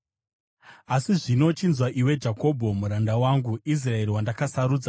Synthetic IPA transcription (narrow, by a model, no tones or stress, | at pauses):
asiʐino̞t͡ʃinzwaʔiwe̞d͡ʒako̞bʱo̞muɾandawaŋɡuis̬rae̞ɾiwandakasaɾuːd͡za